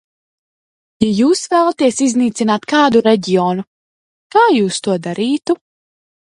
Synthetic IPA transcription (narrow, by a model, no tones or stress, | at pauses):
jajuːsvæːlˠat̪iɛsizniːt̪sinaːt̪kaːd̪uɾɛɟiɔːnu | kaːjuːst̪uɔd̪aɾiːt̪u